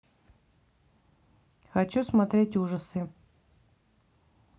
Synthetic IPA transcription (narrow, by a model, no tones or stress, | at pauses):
xɐt͡ɕusmɐt̪ɾʲetʲuʐəsɨ